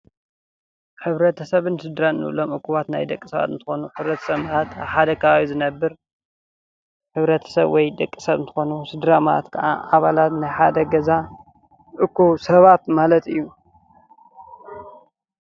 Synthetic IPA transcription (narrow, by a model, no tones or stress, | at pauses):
ħɨβɾɐt̪ʰɐsɐβɨnsɨd̪ɾanɨnɨ̰ʔɨ̰lomʔɨkʰːuβat̪na̰jd̪ɐkʼːisɐβa̰t̪ɨnt̪ʰɨxo̞nuħɨβɾɐt̪ʰɐ̥sɐβmaat̪a̰βħad̪ɐkʰaawizɨnɐbːɨɾ | ħɨβɾɐt̪ʰɐ̥sɐβwɔjd̪ɐkʼːisɐβɨnt̪ʰɨ̥xo̞nusɨd̪ɾamaa̰t̪kʰɐʔa̰ʔaβalat̪najħad̪ɐɡɐza | ʔɨkʰːusɐβat̪malɐt̪ɨjːu